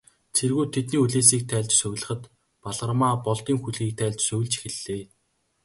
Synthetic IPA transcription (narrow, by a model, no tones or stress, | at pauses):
t͡sʰerɣuːt̪ʰet̪niːuɮeːsiːk̚t̪ʰæːɮʲt͡ɕsɵɣ̆ʲɮə̆χə̆t̪ | paɮʁə̆rmaːpɔɮt̪iːŋxuɮɣiːk̚t̪ʰæːɮt͡ɕsɵw̆ʲɮt͡ɕxĕɮeː